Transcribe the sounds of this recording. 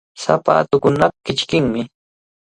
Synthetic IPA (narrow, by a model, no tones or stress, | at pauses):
sa̰pa̰ːt̪ʊkʊnapakɪt͡ʃkɪŋmɪ